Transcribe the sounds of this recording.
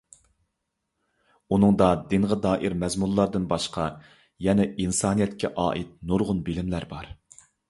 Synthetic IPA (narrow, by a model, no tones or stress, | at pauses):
unɨŋd̪ɑd̪ɪnʁəd̪ɑːʔiɾmɛzmulˠlːˠɑɾd̪ɨnbɑʃqʰɑ | jɛnɛinsɑːnijɛt̪kʲʰɛʔɑ̰ːʔit̪̚nuɾʁʊnbɪlɪmlæɾbɑɾ